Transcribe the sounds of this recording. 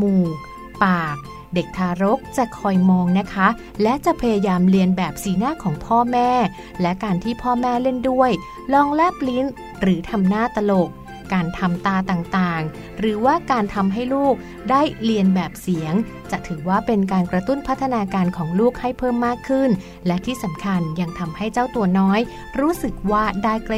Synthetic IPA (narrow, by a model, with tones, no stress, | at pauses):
muː˨˩k̚ | paː˨˩k̚ | de˨˩k̚t̪ʰaː˧ɾo˦˥k̚t͡ɕa˨˩kʰɔː˧jmɔː˧ŋna˦˥kʰa˦˥ | lɛ˦˥ʔt͡ɕa˨˩ʔpʰa˧jaː˧jaː˧mli˧ənbɛː˨˩p̚siː˩˦naː˥˩kʰɔː˩˦ŋpʰɔː˥˩mɛː˥˩ | lɛ˦˥kaː˧nt̪ʰiː˥˩pʰɔː˥˩mɛː˥˩le˥˩ndu˥˩əj | lɔː˧ŋlɛː˥˩pli˦˥n | ɾɯː˩˦t̪ʰa˧mnaː˥˩t̪a˧lo˨˩k | kaː˧nt̪ʰa˧mt̪aː˧t̪aː˨˩ŋt̪aː˨˩ŋ | ɾɯː˩˦waː˥˩kaː˧nt̪ʰa˧mɦa˥˩jluː˥˩k̚ | daː˥˩jli˧ənbɛː˨˩p̚si˩˦əŋ | t͡ɕa˨˩ʔt̪ʰɯː˩˦waː˥˩pe˧nkaː˧nkɾa˧t̪u˥˩npʰa˦˥t̪ʰːa˧naː˧kaː˧nkʰɔː˩˦ŋluː˥˩k̚ha˥˩jpʰɤː˥˩mːaː˥˩kʰːɯ˥˩n | lɛ˦˥t̪ʰiː˥˩sa˩˦mkʰa˧nja˧ŋt̪ʰa˧mha˥˩jt͡ɕaː˥˩wt̪u˧ɐnɔː˦˥j | ɾuː˦˥sɯ˨˩k̚waː˥˩daː˥˩jk